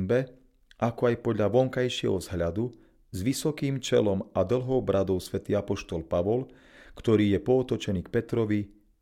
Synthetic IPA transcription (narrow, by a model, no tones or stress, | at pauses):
mbɛ | ʔakɔajpɔd̪ʎaʋɔŋkajʃɪɛ̰ɦɔ̰zɦʎad̪u | zʋisɔkiːmt͡ʃɛ̰lɔmad̪l̩ɦɔʊbɾad̪ɔʊsʋɛt̪iːapɔʃt̪ɔlpaʋɔl | kt̪ɔɾiːjɛpɔːt̪ɔt͡ʃɛniːk̚pɛt̪ɾɔʋi